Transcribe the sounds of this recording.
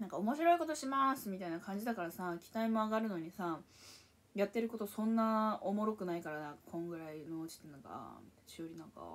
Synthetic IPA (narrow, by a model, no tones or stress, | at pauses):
nãŋkao̞mo̞ɕiɾo̞iko̞t̪o̞ɕimasɨmʲit̪ainakãɲ̟d͡ʑid̪akaɾasakʲi̥t̪aimo̞aɡaɾɯ̟no̞ɲ̟isa | jat̪ːe̞ɾɯ̟ko̞t̪o̞sõ̞nːaomo̞ɾo̞kɯ̟naikaɾanãŋkḁkʰõ̞ŋɡɯ̟ɾainoɯt͡ɕi̥t̪ːenaɡa̰t͡ɕɨoɾʲinãŋka̰